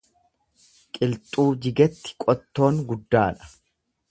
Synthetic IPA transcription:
kʼɪlt̪ʼuːd͡ʒɪɡɛt̪ːɪ̥kʼɔt̪ːo̞ːŋɡʊd̪ːaːᶑɐ̥

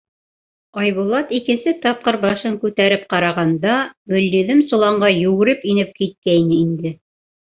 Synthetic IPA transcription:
ɑjβulˠɑt̪ikɘ̆nsɘt̪ɑp̚qɤɾbɑʃɤŋkʉt̪æɾɘp̚qɑɾɑʁɑnd̪ɑɡɵ̆lːiðɘmsŭlˠɑɴɢɑjʉ̆ɡɘ̆ɾɘpinɘp̚kit̪̚kæjnɘind̪ɘ

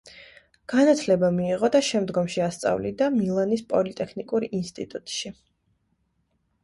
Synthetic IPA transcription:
ɡ̥anat̪ʰlɛbamiːʁɔd̪aʃɛmd̪ɡɔmʃiast̪sʼa̰vlid̪amilˠanispʼɔlit̪ʼɛkʰnikʼuɾinst̪ʼḭt̪ʼut̪ʼʃi

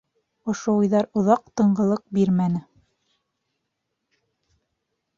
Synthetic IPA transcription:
ŏʃoujðɑɾŏðɑq̚t̪ɤ̆ɴɢɤ̆lˠɤq̚biɾmænɘ

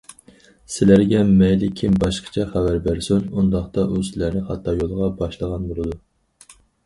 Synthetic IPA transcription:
sɪlæɾɡʲɛmɛjlɪkʲʰːimbɑʃqʰə̥t͡ʃʰɛχævæɾbæɾsynund̪ɑχt̪ɑʔusɪlæɾnɪχɑt̪ʰːɑjolˠʁɑbɑʃlˠəʁɑnbolˠɨd̪u

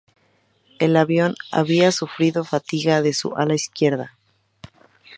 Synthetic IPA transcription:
e̞laβjo̞na̰βiasufɾiðo̞fat̪iɣaðe̞sṵʔalaiskje̞ɾða

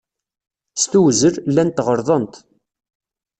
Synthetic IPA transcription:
st̪uwzəɾlːænt̪ːʁəɾˤðˤənt̪

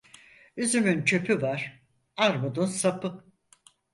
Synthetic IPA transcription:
yzymynt͡ʃʰø̞pʰyvaɾ̥ | aɾmud̪unsapʰɯ

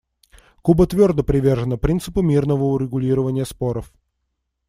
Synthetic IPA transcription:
kubət̪vʲord̪əpɾʲɪvʲerʐənəpɾʲint̪sɨpʊmʲirnəvəʊɾʲɪɡʊlʲiɾəvənʲɪjəspoɾəf

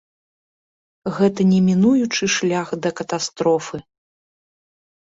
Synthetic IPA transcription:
ɣɛt̪ɐnʲɛmʲinujut͡ʂɨʂlʲaxd̪ɐkɐt̪ast̪ɾɔfɨ

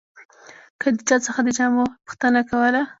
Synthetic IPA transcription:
kəd̪ət͡ʃɑt͡səxad̪ət͡ʃɑmopʊ̥xt̪ənakawəla

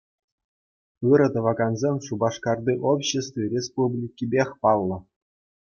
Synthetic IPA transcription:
ɯɾɤ̆d̪ɤ̆ʋɑɡɑnzʲemʲʂubɑʂkɑrd̪iʔopɕĕst̪vʲirʲespublʲikʲːibʲexʲpɑlˠːɤ̆

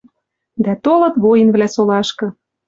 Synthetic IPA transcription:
d̪æt̪olɤ̆t̪βojə̆nβlæsolɑʃkɤ̆

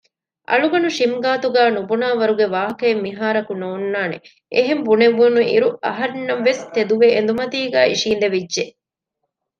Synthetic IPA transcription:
ʔɐ̰ɭuɡɐnuʃimɡaːt̪uɡæːnubunaːʋɐɾuɡeʋaːɦɐkɐemːiɦaːɾɐkunoːnːaːnḛ | ʔeɦembuneʋːunuḭɾuɐɦɐɾnːɐmʋest̪ed̪uʋeʔːnd̪umɐt̪iːɡæːiʃiːnd̪eʋidːʒe

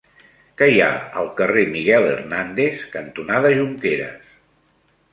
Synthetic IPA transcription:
kəja̰ə̰lˠkəremiɣɛlḛrnand̪eskənt̪unaðəʒuŋkeɾə̰s

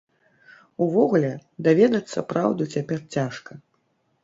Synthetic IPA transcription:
uvɔɣulʲɛd̪avʲɛd̪ɐt̪sːɐ̰pɾawd̪ut͡sʲapʲɛrt͡sʲaʂkɐ

